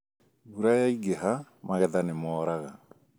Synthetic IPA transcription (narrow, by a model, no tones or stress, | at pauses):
ɣuɾajaiɡɛɦamaɣɛðanemɔːɾaɣa